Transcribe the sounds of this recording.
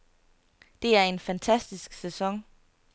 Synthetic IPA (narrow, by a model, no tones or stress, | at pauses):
d̥e̝æɐe̝nfænt͡sʰæsd̥isɡ̥sesɒ̽ŋ